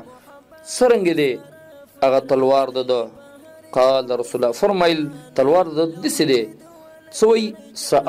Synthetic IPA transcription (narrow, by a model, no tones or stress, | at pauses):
t͡səɾaŋɡed̪e | aɣat̪alwɑɾd̪əd̪ə | qɑːld̪əɾasulafaɾmailt̪alwɑɾd̪əd̪ised̪e | t͡səwəj | saʔ